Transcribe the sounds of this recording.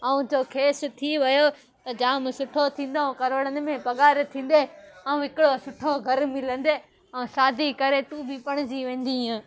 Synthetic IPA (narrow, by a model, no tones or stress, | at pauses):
ɐũd͡ʑoːkʰeːsʊ̆t̪ʰiʋɐjo | t̪ɐd͡ʑãːmsʊʈʰot̪ʰĩːnd̪aũkɐɾʋəɽənɪ̆mẽpɐɠaːɾt̪ʰĩːn̆d̪eɐũɦɪkɪɽosʊʈʰoɡʱɐɾmɪlə̃nd̪eː | ɐ̃ũʃaːd̪ikɐɾeʈuːbipɐɽ̃ɪd͡ʑiʋẽːn̆d̪iũː